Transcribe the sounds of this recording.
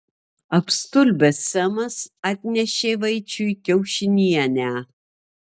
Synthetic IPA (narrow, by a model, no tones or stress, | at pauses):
ɐpst̪ʊlʲbʲɛsːʲɛmɐsɑːt̪ʲnʲɛʃʲeːʋɐɪt͡ʃʲʊkʲɛʊʃʲɪnʲiɛnʲæː